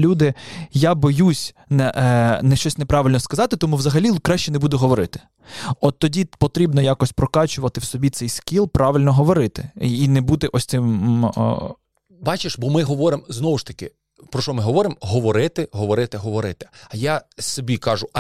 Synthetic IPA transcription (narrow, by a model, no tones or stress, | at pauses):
lʲud̪ɪjabɔjusʲ | nɛnɛʃt͡ʃɔsʲnɛpɾɑʋʲɪlʲnɔskɐzɑt̪ɪt̪ɔmuʋzɐɦɐlʲikɾɑʃt͡ʃɛnɛbud̪ʊɦɔʋɔɾɪt̪ɪ̥ | ɔt̪ːɔdʲipɔt̪ɾʲibnɔjakɔsʲpɾɔkɑt͡ʃʊʋɐt̪ɪwsɔbʲit̪sɛjskʲilˠpɾʔɑʋɪlʲnɔɦɔʋɔɾɪt̪ɪinɛbut̪ɪʔɔsʲt̪sɪm̰ | bɑt͡ʃɪʃbɔmɪɦɔʋɔɾɪmznɔʋʊʃt̪ɐ̥kɪ | pɾɔʃɔmɪɦɔʋɔɾɪmɦɔʋɔɾɪt̪ɪɦɔʋɔɾɪt̪ɪɦɔʋɔɾɪt̪ɪ̥ɐjasɔbʲikɑʒʊ